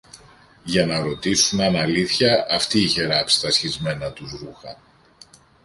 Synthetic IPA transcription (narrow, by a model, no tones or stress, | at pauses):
ʝɐnɐɾo̞t̪isunɐnɐliθçɐʔɐft̪iːçe̞ɾɐpst̪ɐsçizme̞nɐt̪uzɾuxɐ̰